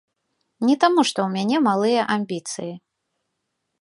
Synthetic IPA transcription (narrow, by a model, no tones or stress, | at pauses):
nʲɛt̪amuʂt̪ɔwmʲanʲɛmalˠɨjɐʔamʲbʲit̪sɨji